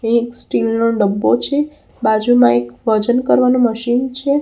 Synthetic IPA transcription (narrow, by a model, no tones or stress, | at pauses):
ẽksʈilnoɖəbːot͡ʃʰe | bad͡ʒumãekʋəd͡ʒənkəɾʋanoməʃint͡ʃʰe